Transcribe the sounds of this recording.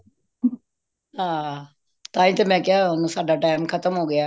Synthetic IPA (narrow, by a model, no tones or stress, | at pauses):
ɦãː | t̪ãːĩːt̪eːmɛ̃ːkɪaːʊnũːsaːɖaːʈaːɪmkʰət̪əmɦoːɡɪjaː